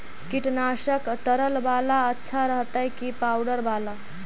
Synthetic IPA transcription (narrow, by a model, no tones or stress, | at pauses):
kiʈnaʃəkt̪əɾəlbalaətːʃʰaɾəɦt̪əɦɛkipawɖəɾbala